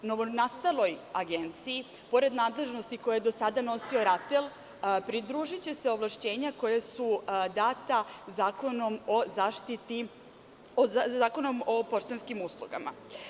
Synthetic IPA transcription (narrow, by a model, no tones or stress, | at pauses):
noonast̪alˠo̞jaɡe̞nt̪sii | po̞ɾe̞d̪naːd̪le̞ʒnost̪iko̞jajd̪o̞sad̪ano̞sio̞ɾat̪el | pɾid̪ɾuːʒit͡ɕe̞seo̞ʋlˠaʃt͡ɕe̞ːɲako̞jesud̪aːt̪azaːko̞no̞mozaːʃt̪it̪i | oazaːko̞no̞mo̞po̞ʃt̪enskimuslṵɡa̰ma̰